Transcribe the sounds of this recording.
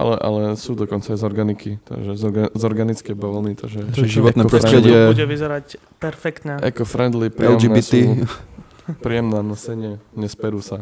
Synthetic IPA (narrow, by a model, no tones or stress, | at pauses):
ʔa̰lɛʔa̰lɛsuːd̪ɔkɔnt͡saːjzɔɾɡanikit̪a̰ɡʒɛzzɔɾɡanit͡skɛbɔʋlniːt̪aɡʒɛʒiʋɔɛnɛɔɾɔɾsɛɾɛɪɛuɛʋizɛɾac | pɛɾfɛkt̪ɲɛɛ̰kɔfɾɛnd̪lipɾlɛmd͡ʒinbit̪i | pɾiːjɛmnaːnɔsɛɲɪɛɲɛspɛɾuːsa